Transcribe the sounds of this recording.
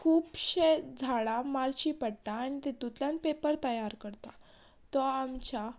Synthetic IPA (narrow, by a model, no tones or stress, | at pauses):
kʰuːpɕed͡zʱaɭamalɕipəɽt̪aːñit̪et̪ut̪ljãnpepəɾt̪əjaɾkəɾt̪a | t̪ɔamt͡ɕa